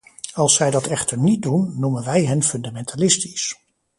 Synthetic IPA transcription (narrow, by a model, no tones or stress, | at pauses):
ɑlˠsːɛjdɑtɛχtəɹnit̚dunːumənʋɛjɦɛnfɵndamɛntalɪsti̥s